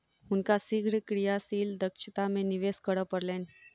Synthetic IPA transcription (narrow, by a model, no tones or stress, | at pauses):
hunkasiɡʱɽəkɾijasiːld̪əkʂət̪ameniʋeskəɽəpəɾlẽn